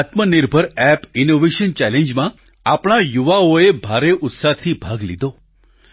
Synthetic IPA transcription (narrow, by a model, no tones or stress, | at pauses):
at̪məniɾbʱəɾɛpinoʋeʃənt͡ʃɛlẽɲd͡ʒmã | apɳ̃ajuʋaoebʱaɾeʔʊt̪sat̪ʰibʱaɡlḭd̪ʱo